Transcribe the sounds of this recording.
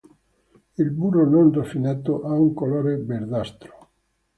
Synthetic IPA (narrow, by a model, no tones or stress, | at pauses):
ilburononrofinɛt̪ːoʔauŋkoloːɾebeɾd̪ast̪ɾo̥